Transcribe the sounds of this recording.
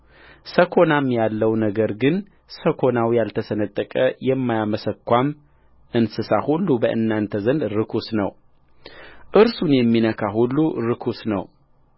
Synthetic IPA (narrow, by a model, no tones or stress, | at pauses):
səkʰo̞namjalːəwnəɡəɾɡɨn | səkʰo̞nawjalt̪ʰəsənət̪ʼːəkʼəjɛmːajaməsəkːʷam | ʔɨnsɨsahulːubəʔɨ̰nːant̪ʰəzənd̪ɾɨkʰusnəw | ʔɨɾsunjɛmːinəkʰaɦulːuɾɨkʰusnə̰w